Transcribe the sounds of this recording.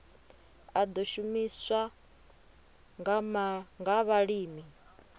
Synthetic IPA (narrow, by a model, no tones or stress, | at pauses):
ad̪oʃumiswa | ŋɡamaŋɡaβaɺiːmi